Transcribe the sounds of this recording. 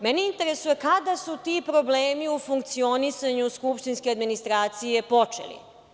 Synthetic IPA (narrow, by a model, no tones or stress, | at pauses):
mɛneint̪eɾesujekad̪asut̪ipɾo̞bleːmiufuŋk̚t̪sio̞nisaɲuskupʃt̪inskead̪minist̪ɾaːt̪sije̞po̞t͡ʂḛlḭ